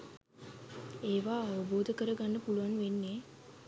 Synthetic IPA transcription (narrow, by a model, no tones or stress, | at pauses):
eːʋaːʋəboːd̪əkəɾəɡanːəpuluʋanʋenːe